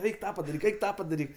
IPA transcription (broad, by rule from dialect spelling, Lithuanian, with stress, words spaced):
ˈɛɪk ˈtɑː pɐdɐˈrʲiːk ˈɛɪk ˈtɑː pɐdɐˈrʲiːk